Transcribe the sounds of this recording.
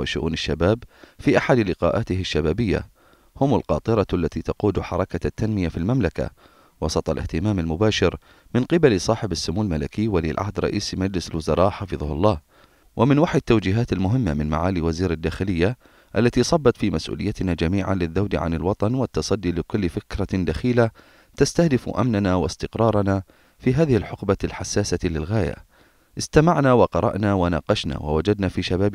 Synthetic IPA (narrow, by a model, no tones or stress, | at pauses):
ɪʃʊ̰ʔṵːnɪʃːabaːbfiːʔaħad̪lɪqɑ̰ːʔaːt̪ɪhɪʃːabaːbɪjːa̰ | hʊmʊlqɑːt̪ˤɨɾˤɑʔalːat̪iːt̪ɑquːd̪ħɑɾˤɑkat̪ːanmɪjafilmamlaka̰ | wɑsˤɑt̪ˤɑlʔɪ̰ht̪ɪmaːmalmʊbaːʃɪɾ | mɪnqɨbalsˤɑːħɪbasːʊmuːlmalakɪjːwalḭːlʕa̰hd̪ɾˤɑ̰ʔiːsmad͡ʒlɪsɪlwʊzɑɾˤɑːʔħɑfɨðˤhlˤːɑːh | wʔamɪnwaħjt̪ːawd͡ʒiːɦaːt̪almʊɦɪmːamɪnma̰ʕaːliwaziːɾad̪ːaːxɪlɪjːa | ʔalːat̪iːsˤɑbːɑt̪fiːmasʔṵːlɪ̰jːat̪nad͡ʒamiːʕa̰nlɪðːawd̪ʕa̰nɪlwɑt̪ˤɑnwɪt̪ːɑsˤɑd̪ːilɪkʊlːfɪkɾˤad̪axiːla | t̪ast̪ahd̪ɪfʔa̰mnanawɪ̰st̪ɪqɾˤɑːɾˤɑna | fiːɦaːðɪhɪlħʊqbalħasːaːsalɪlɣaːja̰ | ʔɪst̪amaʕnawɑqɑɾˤɑ̰ʔnawanɑ̰ːqɑʃna̰wa̰wad͡ʒad̪nafiːʃabaːb